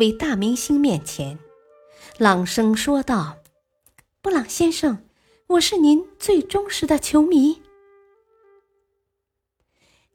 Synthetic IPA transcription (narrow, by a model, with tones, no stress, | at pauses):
we˧˥ɪt̪a˥˩mi˧˥ŋɕi˥ŋmjɛ˥˩nt͡ɕʰjɛ˧˥n | lɑ˨˩ŋʂɤ˥ŋʂwɔ˥t̪ɑ˥˩ʊ | pu˥˩lɑ˨˩ŋɕjɛ˥nʂɤ˥˩ŋ | wɔ˨˩ʂɻ̩˥˩ni˧˥nt͡swe˥˩ɪʈ͡ʂʊ˥ŋʂɻ̩˧˥d̪ə˧t͡ɕʰjo˧˥ʊmi˧˥